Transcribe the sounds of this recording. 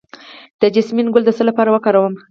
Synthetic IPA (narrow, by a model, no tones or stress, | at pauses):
d̪̥əd͡ʒɪsminɡʊld̪əsəlapɑɾawəkɑɾawəm